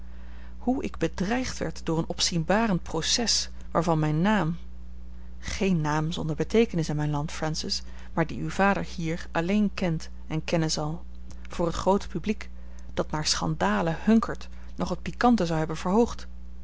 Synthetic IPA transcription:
huʔɪ̰ɡbədrɛjχtʋɛ̰ɹtdʊːɹənɔpsinbaːrənprosɛs | ʋaːɹvɑnmɛjnːaːm | χejnːaːmzɔ̰ndəɹbətejkənɪsɪnmɛjnlɑntfɹansɪs | maːɹdiywv̥aːdəɹhiːɹɑlejnkɛnt | ɛnkɛnənzɑlˠ | v̥ʊːɹɦətχrowtə̥pyblik | d̥ɑtnaːɹsχɑ̰ndaːləhɵŋkʰəɹt | nɔχət̚pikɑntəzɑwɦɛbənv̥əɹɦowχt

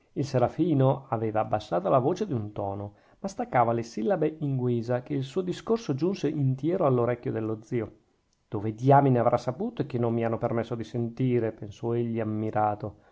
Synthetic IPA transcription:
ilseɾafiːnoaveːvaːbːasːaːt̪olavoːt͡ʃed̪iunt̪ɔːno | mast̪akːaːvalesilːabeʔiŋɡwiːzakeilsuːod̪iskorsod͡ʒunseʔint̪jɛːɾoalːoɾɛkʲːjod̪elːod̪ziːo | d̪̥oːved̪jaːmineavɾʔasːapuːt̪oekːenːomːianːopermesːod̪isent̪iːɾepensɔeʎːiamːiɾʔaːt̪o

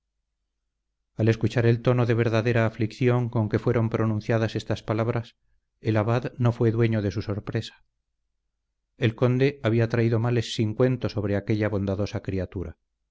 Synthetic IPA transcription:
ale̞skut͡ʃaɾe̞lt̪o̞no̞ðe̞β̞e̞ɾðaðe̞ɾaːflikθjo̞ŋko̞ŋke̞fwe̞ɾo̞mpɾo̞nũn̟θjaðase̞st̪aspalaβ̞ɾas | elaβaðno̞fwe̞ðwe̞ɲo̞ð̞e̞suso̞ɾpɾe̞sḁ | e̞lko̞nd̪e̞aβiat̪ɾaiðomale̞sːiŋkwe̞nt̪o̞so̞β̞ɾe̞akeʎaβo̞nd̪aðo̞sakɾiat̪uɾa

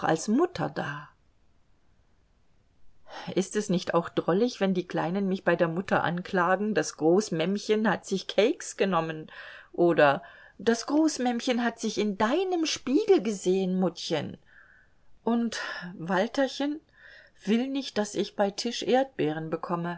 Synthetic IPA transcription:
a̰lsmʊtʰɐ̰daː | ʔɪstɛsnɪçta̰ʊxd̥ʁɔlɪçv̥ɛndiːkl̥a̰ɪnənmɪçb̥aɪdeːɐmʊtʰɐʔa̰nkl̥aːɡŋ̩dasɡ̥ʁoːsəmɛmçənhatz̥ɪçkʰɛɪksɡ̥ənɔmənʔoːdɐ | d̥asɡ̥ʁoːsmɛmçənɦatz̥ɪçɪndaɪnəmʃpiːɡl̩ɡəzeːənmʊtçən | ʔʊntvaltɐçən | v̥ɪlnɪçt̚d̥asɪçb̥aɪtʰɪʃʔeːɐt̚b̥ɛːʁ̞ənbəkʰɔmə

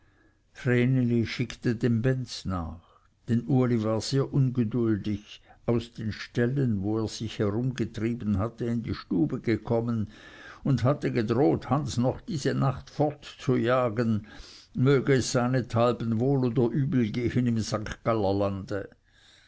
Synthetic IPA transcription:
fʁeːniliʃɪktədeːmbɛnt͡sna̰ːχ | d̥ɛnʔuɐlivaːɐz̥eːɐʔʊnɡədʊldɪçʔaʊsd̥eːnʃtɛlənvoːeːɐz̥ɪçhɛʁʊmɡətʁ̥iːbən̩ɦatəɪndḭʃtuːbəɡəkʰɔmənʊndhatəɡədʁoːthansnɔχd̥iːzənaχtfɔɐtt͡sujaːɡən | møːɡəɛsz̥aɪnətʰalbən̩voːloːdɐʔyːbl̩ɡeːhənɪmzaŋkɡ̥alɐlandə

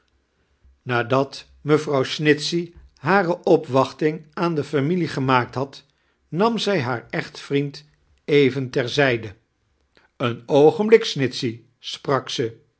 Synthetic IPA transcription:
naːdɑt | məvrɑwsnɪtsiɦaːrəʔɔpʋɑχtɪŋaːndəfamiliχəmaːk̚tɦɑt | nɑmzɛjɦaːɹɛχtfrint | ejvəntɛɹzɛjdə | ənowχənblɪksnɪtsi | sprɑksə

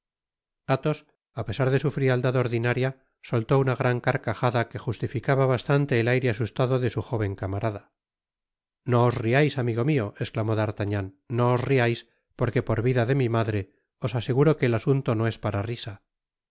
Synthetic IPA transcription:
at̪o̞s | ape̞saɾðe̞sufɾiald̪aðo̞ɾðinaɾja | solt̪o̞unaɣɾaŋkaɾkaxaðake̞xust̪ifikaβaβast̪ant̪e̞ːlajɾeasust̪aðoðe̞suxo̞β̞e̞ŋkamaɾaða | no̞ːzriajsamiɣo̞mio̞esklamo̞ðaɾt̪aɲanːo̞ozriajs | po̞ɾke̞po̞ɾβiðaðe̞mimaðɾe̞ | o̞sase̞ɣuɾo̞ke̞ːlasunt̪o̞no̞e̞spaɾarisa

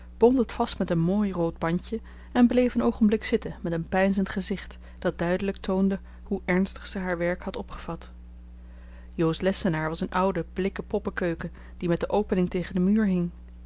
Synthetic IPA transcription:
b̥ɔntətfɑstmɛtənmoːjrowd̚bɑɲə | ɛnblejfənowχənblɪksɪtəmɛtənpɛjnzəntχəzɪχt | d̥ɑt̚dœɥdələktʰowndə | huʔɛɹnstə̥χsəɦaːɹʋɛɹkhɑtɔpχəv̥ɑt | jowslɛsənaːɹʋɑsənʔʌwdəb̥lɪkəpɔpəkøɥkə | d̥imɛt̚dəʔowpənɪŋtejχəndəmyːɹɦɪŋ

